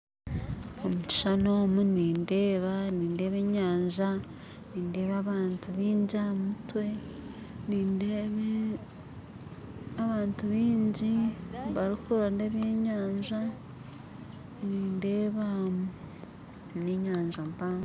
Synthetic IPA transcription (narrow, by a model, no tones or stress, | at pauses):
omuci̥ʃano̞ːmuniːnde̞ːβaniːnde̞ːβe̞ːɲaːɲʒa | niːnde̞ːβaβaːntuβiːɲɟiamutwe̞ | niːndeβe | aβaːntuβiːɲɟiβaɾikuɾande̞ːβjeːɲaːɲʒa | niːnde̞ːβamu | niɲaːɲʒampaːŋɡ